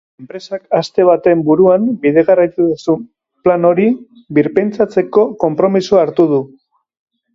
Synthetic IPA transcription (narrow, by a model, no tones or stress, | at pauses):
e̞mpɾe̞sakast̪e̞β̞at̪e̞mbuɾuambiðe̞ɣarajt̪uðusum | plano̞ɾi | biɾpent͡sat͡se̞ko̞ko̞mpɾo̞misuaɾt̪uð̞u